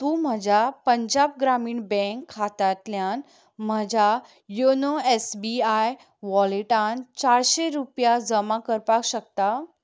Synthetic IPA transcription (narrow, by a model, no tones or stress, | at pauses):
t̪ũːm̤əd͡ʑʱapəɲd͡ʑab̚ɡɾamiːɳbɛ̃ŋkʰːat̪at̪ljan | m̤əd͡ʑʱa | jonoesbiaj | ʋɔliʈãnt͡ɕaɽɕeɾupjad͡zəmakəɾpakɕək̚t̪a